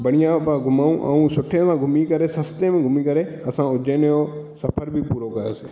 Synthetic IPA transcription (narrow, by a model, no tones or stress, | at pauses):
bəɽ̃ɪjãpãɡʱʊmaːũːʔə̰ũːsʊʈʰẽːsãɡʱʊmikəɾesɐst̪emẽːɡʱʊmikəɾeɐsãːʊd͡ʒẽːnjoːsɐpʰəɾbʱipuːɾokəɾoːsɪ